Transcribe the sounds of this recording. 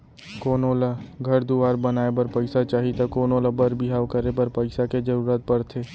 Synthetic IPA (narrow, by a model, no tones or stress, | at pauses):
koːnoːlaɡʱɐɾd̪uʋaːɾbɐnaːepɐɾpɐɪsat͡ʃaːɦit̪akoːnoːlabɐɾbʱiɦaːʋkɐɾepɐɾpɐɪsaked͡ʒɐɾuːɾət̪̚pɐɾt̪ʰeː